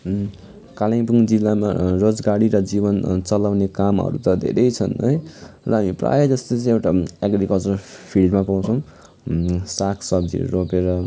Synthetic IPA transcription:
kalãj̃puŋd͡zilːama̰rod͡zɡaɽiɾʌd͡zibʌnt͡sʌlawnekamʌ̰ɾṵt̪ʌd̪ʱḛɾʌjt͡sʰʌnɦʌjrʌɦamipra̰jed͡zʌst̪ʌt͡sʌ̃j̃ewʈaeɡɾikʌlt͡sʌrpʰilɖmapaw̃t͡sʰʌw̃ | sakʰsʌb̚d͡zḭropeɾʌ

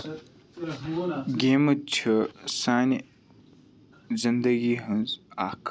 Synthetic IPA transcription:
ɡemət͡ɕʰəsani | zənd̪əɡiɦənzakʰ

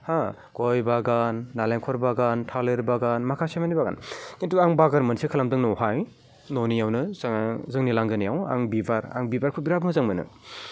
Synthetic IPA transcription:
ha | ɡ̥ɔjbaɡanːaleŋkʰɔɾbaɡantʰaleɾbaɡanmakʰasemanibaɡa̰nkintuaŋbaɡaɾmɯnsekʰalamdɯŋnɔɦaj | nɔnijawnɯzaŋzɯŋnilaŋɡɯnijawa̰ŋbibaɾa̰ŋbibaɾkʰuɡɾabmɯzaŋmɯnɯ̰

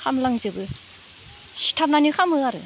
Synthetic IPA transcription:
xʰamlaŋzɯbɯ | ɕi̥tʰap̚nanikʰamɯaɾɯ

